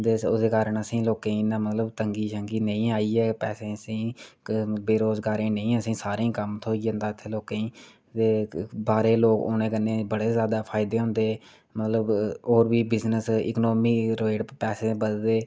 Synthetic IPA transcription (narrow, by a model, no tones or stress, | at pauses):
d̪eʊd̪eːkaːɾəɳəsĩːloːkẽːĩnãːmət̪ləbt̪əŋɡiːʃəŋɡiːnəĩːaːiːɛːpɛːsẽːəsĩːkbeːɾoːzɡaːɾẽːnə̃ĩːəsĩːsaːɾẽːkəmt̪ʰoːiə̃ːnd̪aːɪt̪ʰːeːloːkẽĩː | t̪eːbaːɾeːloːko̰ːnẽːkənːẽːbəɽeːzjaːd̪aːpʰaːɪd̪eːɦʊ̃ːnd̪eː | mət̪ləboːɾbiːbɪznəsɪ̰ːknoːmiːɾoːɪɖpɛːsẽːbəsd̪eː